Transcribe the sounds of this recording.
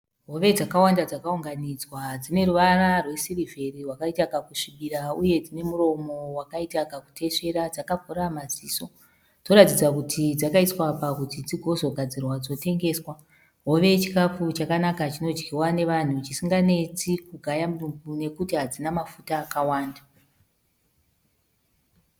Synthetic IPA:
ɦo̞ʋe̞d͡zakawandad͡zakauŋɡanid͡zwad͡zine̞ruʋararwe̞sirive̞riwakaitakakuʂiɓirauje̞d͡zine̞muro̞mo̞wakaitakaku̥tʰe̞ʂe̞ɾad͡zakakuɾamad͡ziːso̞ | to̞ɾatid͡zakutʰid͡zakaiswapakutid͡ziɡʱo̞zo̞ɡʱad͡zirwad͡zo̞te̞ŋɡe̞ːswa | ɦo̞ʋe̞t͡ʃi̥kap͡fut͡ʃakanakat͡ʃino̞d͡ʒɡiwane̞ʋan̤ut͡ʃisiŋɡane̞t͡sikuɡʱajamuumbune̞kutiɦad͡zinamafutaːkawaːnda

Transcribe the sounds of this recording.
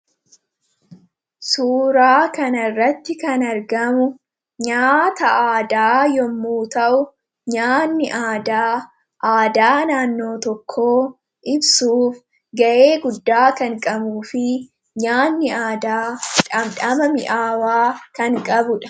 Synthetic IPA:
suːɾaːkɐnɐrːɐt̪ːɪkɐnɐɾɡɐmʊ | ɲaːt̪ɐʔaːd̪aːjɔmːuːt̪ɐʔʊ | ɲaːnːɪʔaːd̪aː | ʔaːd̪aːnaːnːo̞ːt̪ɔkʰːo̞ː | ʔɪbsuːf | ɡɐʔe̞ːɡʊd̪ːaːkɐŋkʼɐmuːfɪ | ɲaːnːɪaːd̪aːᶑɐmᶑɐmɐmɪʔaːwaːkɐŋkʼɐbʊᶑɐ̥

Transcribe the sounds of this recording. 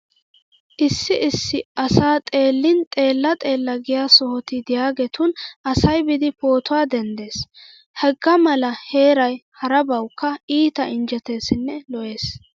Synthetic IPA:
ʔɪsːɪɪsːɪɐsaːt̪ʼe̞ːlːɪnt̪ʼe̞ːlːɐt̪ʼe̞ːlːɐɡɪjaːsɔhɔt̪ɪd̪ɪjaːɡɛt̪ʊnɐsɐjbɪd̪ɪpo̞ːt̪ʊwaːd̪ɛnd̪e̞ːs | hɛɡːɐmɐlɐhe̞ːɾɐjhɐɾɐbɐwkːɐiːt̪ɐɪnd͡ʒɛt̪e̞ːsɪnːɛlɔʔe̞ːs

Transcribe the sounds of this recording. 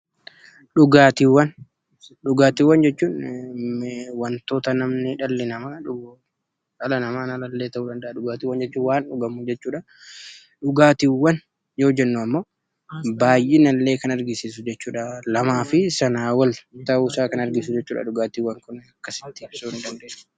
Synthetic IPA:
ᶑʊɡaːt̪iwːɐn | ɗʊɡaːt̪iːwɐnd͡ʒɛt͡ʃːuːn | wɐnt̪oːt̪ɐnɐmnɪᶑɐlːɪnɐmaᶑʊ | ɐlɐnɐmaːnɐlɐlːe̞ːt̪ɐʔuːᶑɐnd̪ɐʔːᶑʊɡaːt̪ɪwɐnd͡ʒɛt͡ʃːuːnwaːnᶑʊɡɐmʊd͡ʒɛt͡ʃːuːᶑɐ | ᶑʊɡaːt̪iwːɐn | jo̞ːd͡ʒɛnːuɐmːo̞ː | baːjʔeːnɐlːe̞ːkɐnɐɾɡɪsiːs̬ʊd͡ʒɛt͡ʃːuːᶑɐlɐmaːfɪsɐnaːwɐlt̪ɐusaːkɐnɐɾɡɪsʊd͡ʒɛt͡ʃːuːᶑa̰ᶑʊɡaːt̪iwːɐŋkʊnɐkːɐsɪ̥t̪ːɪ̥suːnɪd̪ɐnd̪e̥ː

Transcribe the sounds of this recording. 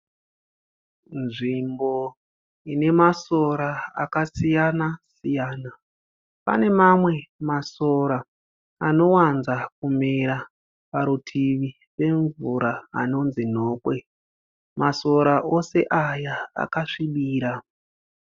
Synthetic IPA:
nʐimbo̞ | ine̞maso̞ɾaa̰kasijanasijaːna | pa̰ne̞mamwe̞maso̞ɾa | ano̞wanzakumeɾa | paɾutʰiʋi | re̞ɱvuɾa̰ːno̞nzin̤o̞ːkwe̞ | maso̞ɾaʔo̞se̞ʔajaa̰kaʂiɓiːɾa

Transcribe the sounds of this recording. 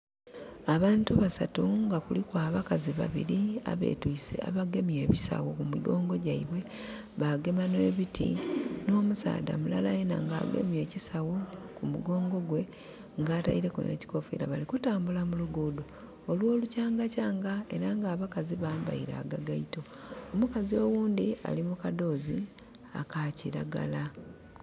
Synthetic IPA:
aβaːntuβasatuŋɡakulikwaːβakaziβa̰βḭɾia̰βe̞̰ːtuisḛa̰βaɡe̞mje̞ːβisa̰wokumuɡo̞ːŋɡo̞ɟaiβwe̞ | βaɡe̞mane̞ːβitʰḭno̞ːmusa̰ːda̰mulalajena̰ŋɡaːɡe̞̰mje̞ːcisawokumuɡo̞ːŋɡo̞ɡwe̞ | ŋɡaːtaiɾe̞kṵnḛci̥ko̞fḭɾa̰βalikutaːmbulamuluɡuːdu | olwo̞ːlucaːŋɡacaːŋɡae̞̰ɾaŋɡaːβakaziβaːmba̰iɾa̰ːɡaɡaito̞ | omukazio̞wuːndia̰limukado̞ːzi | a̰kaciɾaɡa̰la

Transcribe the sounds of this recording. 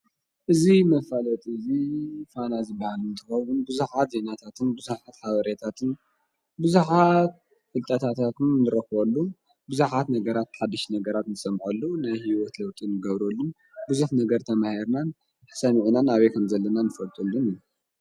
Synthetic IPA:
ʔɨzimɐfalɐt̪ʼɨzifanazɨbːahalɨnt̪ʰɨxɐwunbɨzuħat̪ze̞nat̪ʰat̪ʰɨnbɨzuħat̪ħaβɐɾet̪ʰat̪ʰɨn | bɨzuħat̪̚ | fɨlt̪ʼɐt̪ʰat̪ʰat̪ɨnːɨɾɐxwolːu | bɨzuħat̪nɐɡɐɾat̪ħad̪ːiʃnɐɡɐɾat̪nɨsʼɐmħulːunajhiwɔt̪lɐwt̪ʼinɨɡɐβɾolːu | bɨzuħnɐɡɐɾt̪ʰɐmahiɾnan | ħsɐniʕunanaβekʰɐmzɐlːɐnanɨfɐlt̪ʼulːuniju

